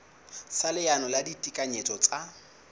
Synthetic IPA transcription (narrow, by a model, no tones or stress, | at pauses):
salɪjanɔladitʼikʼaɲet͡sʼɔt͡sʼa